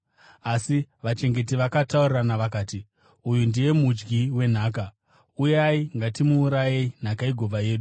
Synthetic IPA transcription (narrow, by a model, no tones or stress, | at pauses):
asiʋat͡ʃe̞ŋɡe̞t̬iʋakatauriranaʋakaːti | ujundije̞mud͡ʒɡiwe̞n̤aːk̬a | ujaiŋɡatimuːɾajein̤akaiɡʱo̞vaje̞ːɗu